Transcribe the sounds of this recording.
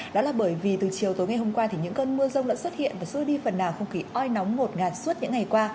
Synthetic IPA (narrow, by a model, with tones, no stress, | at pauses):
ɗɗɔ˨˦laː˨˩ɓəː˧˩jvi˨˩t̪ɨ˨˩t͡ɕi˨˩əwt̪o˨˦jŋa˨˩jɦo˧ŋ͡mkwaː˧t̪ʰi˨˩ɲɨ̰˧˥ŋkəː˧nmɨ˧əzə˧wŋ͡mlə̰˧˥nswt̚hḭ˧˨ənvaː˨˩sɨ˧əɗi˧fə˨˩nːaː˨˩wxə˧wŋ͡mxi˨˦ʔɔ˧jnɔ˨˦wŋ͡mŋo˨˩t̚ŋaː˨˩t̚su˦˥t̚ɲɨ̰˧˥ŋːa˨˩jkwaː˧